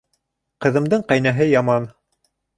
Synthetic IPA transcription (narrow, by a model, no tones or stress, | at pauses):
qɤ̆ðɤ̆md̪ɤɴqɑjnæɦɘjɑmɑn